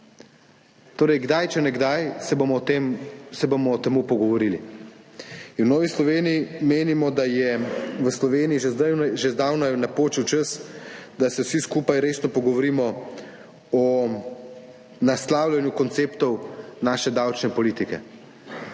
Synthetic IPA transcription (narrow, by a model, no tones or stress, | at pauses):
t̪oːɾɛjɡd̪ajt͡ʃɛnɛɡd̪ajsɛboɔt̪emsɛbomɔːt̪ɛmuːpɔɡɔʋɔɾili | inwnɔːʋislɔʋeːnijimeːnimɔd̪ajɛʋəslɔʋeːniiʒed̪aʒezd̪aːwnanapoːt͡ʃiwt͡ʃəsd̪asɛwsiskuːpajɾeːsnɔpɔɡɔʋɔɾiːmɔ | ɔ | naslaːwlʲjanjukɔnt̪seːpt̪ɔwnaːʃɛd̪awt͡ʃnɛpɔliːt̪ikɛ̰